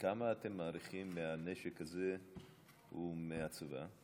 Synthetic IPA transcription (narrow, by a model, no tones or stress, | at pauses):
kamaːtemːaːɾiχimːeaneʃekhaze | humeat͡sava̰